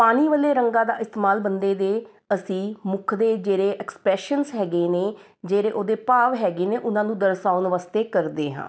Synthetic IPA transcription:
paːniːʋəleːɾəŋɡãːd̪a̰ːʔɪst̪eːmaːlbənd̪eːd̪eː | əsĩːmʊkʰd̪eːd͡ʒeːɾeːʔɛkspɾɛːʃənsɦɛːɡeːneː | d͡ʒeːɾeːʔoːd̪eːpaːʋɦɛːɡeːneːʔʊnãːnũːd̪əɾsaːʊnʋaːst̪eːkəɾd̪eːɦã̰ː

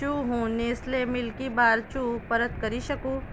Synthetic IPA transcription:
uːɦũːneːslemɪlkibaːɾt͡ʃuːpɐɾət̪kɐɾiʃɐkuː

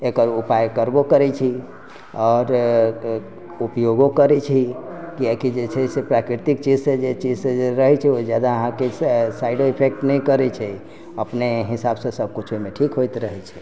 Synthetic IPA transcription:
ekəɾupajkəɾbokəɾɛt͡ʃʰi | ɔːɾ | upjoɡokəɾɛt͡ʃʰikiakid͡ʒet͡ʃʰɛsepɾakɾit̪ik̚t͡ʃid͡ʒsẽd͡ʒet͡ʃid͡ʒseeɾəɦɛt͡ʃʰɛod͡ʒjad̪aəɦãkesaiɖoipʰek̚ʈnɛjkəɾɛt͡ʃʰɛ | əpneɦisabsə̃səb̚kut͡ʃʰomeʈʰikɦojt̪ɾəɦɛt͡ʃʰɛ̥

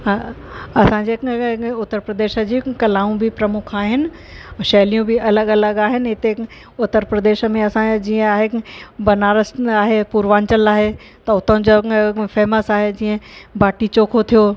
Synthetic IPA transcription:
ɦaːɐsãːɲd͡ʑeʊt̪ːəɾpɾɐəd̪eːʃəd͡ʑiːkɐlaːũbʱɪpɾɐmʊkʰaːɦɪnɪ̆ | ʃɐɦlijũbɪʔɐləɡɐləɠaːɦɪnɪɦɪt̪e | ʊt̪ːəɾpɾɐd̪eːʃə̆mẽɐsãd͡ʑiːə̃aːɦebɐnaːɾəsaːɦepuːɾʋaːɲt͡ɕəlaːɦe | t̪ɐʊt̪ə̃d͡ʑofɛːməsaːɦed͡ʑiːə̃baːʈit͡ɕoːkʰot̪ʰijoː

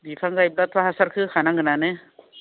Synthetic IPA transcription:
bipʰaŋɡajb̚lat̪ʰɾaɦasaɾkʰɯkʰanaŋɡɯnanɯ

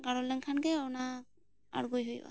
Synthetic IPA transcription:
ɡaɽɔlɛŋkʰanɡɛɔna | a̰ɽɡujɦujba̰

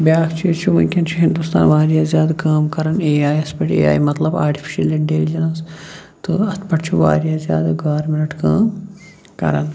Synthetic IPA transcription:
bʲjaːkʰt͡ʃʰijɐt͡ʃʰumɐ̰nʲkʲʰɐnt͡ʃʰuɦind̪ust̪a̰ːnʋaːɾijaːzjaːd̪ɐkaːmkɐɾɐneːaːjɐspɐʈḛːa̰ːimɐt̪lɐbaːɾʈʰi̥fʰi̥ʃɐlɐɳɖeːlid͡ʒɐnɐs | t̪ɨɐt̪ʰpɐʈt͡ʃʰuʋa̰ːɾijaːzja̰ːd̪ɐɡaːɾminɐʈkaːm | kɐ̰ɾɐn

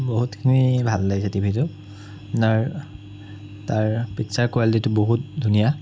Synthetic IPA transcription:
boɦutkʰinibʱalːaɡisatibʱitʊ | naɹ | taɹpitsaɹkwalititʊboɦut̚dʱunija

